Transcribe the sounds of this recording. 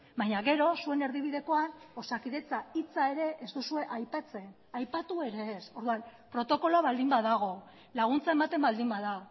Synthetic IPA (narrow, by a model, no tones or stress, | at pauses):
bajɲaɣe̞ɾo̞sue̞ne̞ɾðiβ̞iðe̞ko̞ano̞sakiðe̞t͡sait͡sae̞ɾe̞ʔezt̪usue̞ʔajpat͡se̞n | ajpat̪ue̞ɾe̞ːso̞ɾðuanpɾo̞t̪o̞ko̞loaβald̪imbaðaɣ̞o̞ | laɣ̞unt͡sae̞mat̪e̞mbald̪imbaða